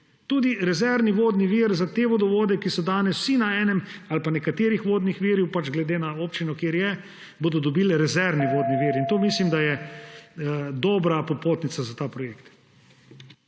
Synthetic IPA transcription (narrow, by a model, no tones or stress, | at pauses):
t̪uːd̪iɾɛzɛɾniʋoːd̪niʋiɾzat̪eːʋod̪ɔʋoːd̪ɛkisɔd̪aːnɛsw̥sinaɛːnɛmalpanɛkat̪eːɾixʋoːd̪nixʋiːɾjɛwpad͡ʒɡlɛd̪eːnaoːpt͡ʃinɔkeːɾjɛ | boːd̪ɔd̪ɔbilɾɛzɛɾʋniʋoːd̪niʋiɾint̪oːmislimd̪ajɛ | d̪ɔːbɾapɔpoːt̪nit̪sazat̪aːpɾɔjeːkt̪